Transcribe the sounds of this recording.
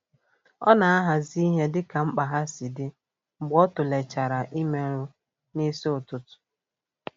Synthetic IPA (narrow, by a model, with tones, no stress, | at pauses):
ɔ̰˦na˨a˦ɦa˨zi˦i˦ɦe˦dɪ˦ka˨m̩˦k͡pa˨ɦa˦si˨dɪ˦ | ŋ͡m̩˨ɡ͡bɔ˦tʊ˨le˨t͡ʃa˨ɾa˨ʔi˦me˨ɾʊ˦ | ne˦si˦o˨tʊ˨tʊ̥˨